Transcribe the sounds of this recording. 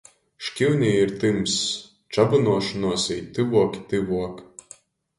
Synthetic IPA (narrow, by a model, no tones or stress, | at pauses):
ʃkʲiwnʲeiɾt̪ɨms | t͡ʃabɨnuɔʃnuɔsʲɛjt̪ɨʋuɔkʲt̪ɨʋuɔkʲ